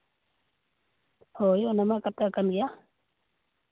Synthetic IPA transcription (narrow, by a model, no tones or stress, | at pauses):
hojonamakat̪akanɡja